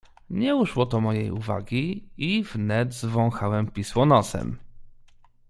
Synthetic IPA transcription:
ɲɛuʂwɔt̪ɔmɔjḛjuva̰ɡʲiivnɛd̪zvɔ̃w̃xawɛmpʲiswɔnɔsɛ̰m

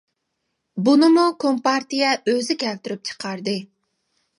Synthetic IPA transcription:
bunɨmukʰompɑɾt̪ijɛʔøzɪkʲʰɛlt̪yɾyp̚t͡ʃʰə̥qʰɑɾd̪ɨ

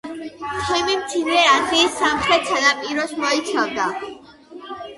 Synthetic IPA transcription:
t͡ʃʰɛmimt̪sʰinɛasiːsamχɾɛt̪salapʼiɾɔsmɔit̪sʰavd̪a

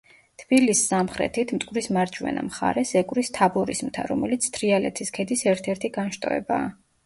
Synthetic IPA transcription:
t̪ʰb̥ilisːamχɾɛ̰t̪ʰit̪ʰmt̪ʼkʼɾismaɾd͡ʒʰʼwɛ̰na̰mχa̰ɾɛsɛkʼwɾist̪ʰabɔɾizmt̪ʰa̰ɾɔmɛlit̪sʰt̪ʰɾialɛ̰t̪ʰiskʰɛd̪isɛɾt̪ʰɛɾt̪ʰiɡanʃt̪ʼɔ̰ɛ̰baː

